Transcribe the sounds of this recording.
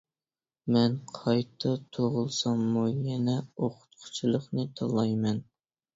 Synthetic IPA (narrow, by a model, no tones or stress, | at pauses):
mɛnqʰɑjt̪ʰɨt̪ʰoʁʊlˠsɑmːujɛnɛoqʊ̥t̪̚qʰʊ̥t͡ʃʰilˠəχnɨt̪ʰɑlˠɑjmɛn